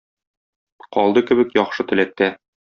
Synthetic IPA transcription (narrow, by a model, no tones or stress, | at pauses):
qɒlˠd̪ɤkɘ̆bɘ̆kjɒχʃɤt̪ɘ̆læk̚t̪ːæ